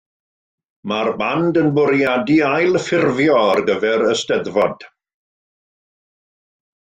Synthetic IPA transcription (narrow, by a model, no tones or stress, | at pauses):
marbandənbʊɾjadiajlˠfɪrvjɔarɡəvɛɾəstəðvɔd̥